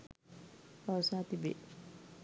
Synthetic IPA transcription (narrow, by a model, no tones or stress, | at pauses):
əsaːt̪ibḛ